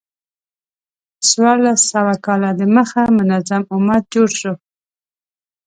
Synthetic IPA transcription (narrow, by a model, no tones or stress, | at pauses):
swɑɾlasːawakɑlad̪eməxamʊnazamʊmad̪̚d͡ʒoɽʃo